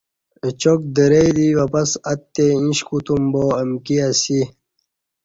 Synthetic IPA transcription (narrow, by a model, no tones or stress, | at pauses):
ət͡ɕok̚d̪əɾeid̪iwɐpɐsɐt̪ːeĩɕkut̪umboːɐmkiasi